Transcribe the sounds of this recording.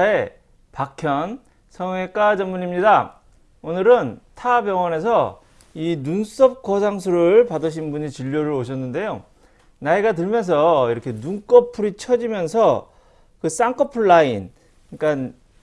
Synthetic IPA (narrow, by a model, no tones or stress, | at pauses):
ae | pakʰjʌn | sʰʌŋe̞k͈ad͡ʑʌnmuɲimɲida | onɯɾɯntʰabjʌŋʌne̞s̬ʰʌ | inuns͈ʌp̚k͈ʌs̬ʰaŋsʰuɾɯɭpadɯɕ̬ʰinbuɲit͡ɕiʎːoɾɯɭoɕ̬ʰʌnːɯnde̞jo | naeɡatɯɭmjʌns̬ʰʌiɾʌkʰe̞nuŋk͈ʌpʰuɾit͡ɕʰʌd͡ʑimjʌnsʰʌ | kɯs͈aŋk͈ʰʌpʰuɭːain | k͈an